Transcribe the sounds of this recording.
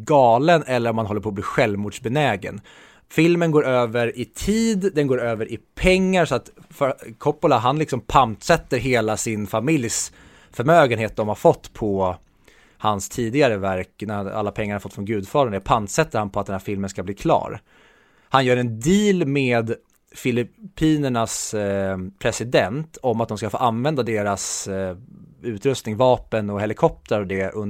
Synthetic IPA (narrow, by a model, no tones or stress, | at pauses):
ɡɑːlənɛlːəɾɔmhanhɔlːəɾpʰɔːbliːɧɛlvmuːɖʂbɛnɛːɡə̰n | fɪlmənɡoːɾøːvəɾɪt̪ʰiːd̪d̪ɛnɡoːɾøːvəɾʔɪpʰɛŋːaɾsɔat̪ | fœkʰɔpːʊlaɦanlɪksɔmpʰant̪sɛt̪ːəɾɦeːlasɪnfamɪljs | fœɾmøːɡənheːt̪̚d̪ɔmhaɾfɔt̪ːpʰɔ | hanst̪ʰiːd̪ɪɡaɾəvæɾknæa̰lːapʰɛŋːaɾhafɔt̪ːfɾɔnɡʉ̟ːd̪fɑːɾəɳɛpʰant̪sɛt̪ːəɾhanpʰɔat̪̚ɛnhæɾfɪlmənskabliːkʰlɑ̰ːɾ | hanjœːɾɛnd̪iːlmeːd̪ | fɪlɪpʰiːnəɳas | pʰɾɛsɪd̪ɛnt̪ʰɔmat̪̚d̪ɔmskafo̰ːʔanvɛnd̪ad̪eːɾas | ʉ̟ːt̪ɾɵst̪nɪŋvɑːpənɔhɛlɪkʰɔp̚t̪əɾɔd̪ɛʔɵn